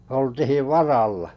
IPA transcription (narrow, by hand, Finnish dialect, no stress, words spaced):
oltihiʋ ʋɑrɑlːɑ̥